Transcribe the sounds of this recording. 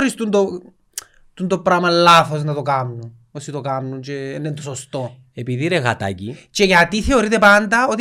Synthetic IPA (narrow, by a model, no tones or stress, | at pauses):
ɾist̪und̪o | t̪und̪opɾamɐlːafosnɐt̪okamnun | osit̪okamnunt͡ʃenːent̪osost̪o | epiðiɾeɣa̰t̪a̰cit͡ʃeceat̪iθeoɾit̪epand̪ɐot̪i